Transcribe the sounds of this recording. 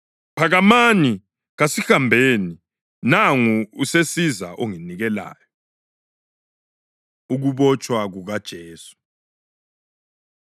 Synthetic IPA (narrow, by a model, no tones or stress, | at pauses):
pʰaɣamani | ɣasixambʱeni | naŋuusesiza̰ʔoŋiniɣɛla̰ːjɔ | uɣuβɔt͡ʃʼwaɣuɣad̥ʒ̥ʱeːsu̥